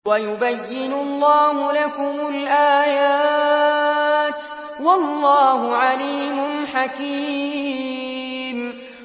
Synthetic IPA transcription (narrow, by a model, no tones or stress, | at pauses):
wajʊbajːɪnʊlˤːɑːɦʊlakʊmʊlʔaːjaː | t̪ | wɑlˤːɑːhʊʕaliːmʊnħakiː | m